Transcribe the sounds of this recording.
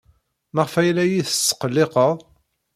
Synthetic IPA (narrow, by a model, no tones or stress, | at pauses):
məʁfæjlæjiθə̥sːə̥qəlːɪqəʁˤ